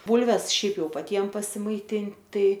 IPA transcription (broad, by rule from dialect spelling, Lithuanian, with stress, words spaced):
ˈbʊlʲʋʲɛs ˈʃʲɛɪp ˈjɛʊ pɐˈtʲiɛm pɐsʲɪmɐɪˈtʲɪnt ˈtɐɪ